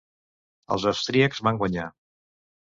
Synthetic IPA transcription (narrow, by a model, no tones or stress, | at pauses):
ə̰lˠzəwst̪ɾiəkzβaŋɡwəɲa̰